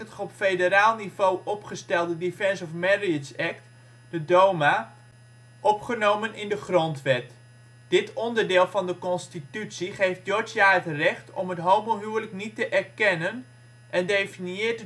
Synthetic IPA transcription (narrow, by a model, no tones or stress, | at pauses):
ətɔpfedəraːlˠnivowʔɔpχəstɛlˠdədifɛnsɔfmɛɹiəsɛkt | dədowma | ʔɔpχənowmənɪndəχrɔntʋɛt | d̥ɪtɔndərdɪːlˠvɑndəkɔnstitytsiχejft̚jod͡ʒjaɦətrɛχtɔ̰mətɦowbəlˠɦyələknitəʔɛrkɛnən | ʔɛndejfiniɪːt